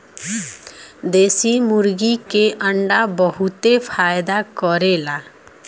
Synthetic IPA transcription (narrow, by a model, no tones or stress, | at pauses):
d̪eːsimʊɾɡikeʔəɳɖabəɦut̪epʰaːjd̪akɔɾela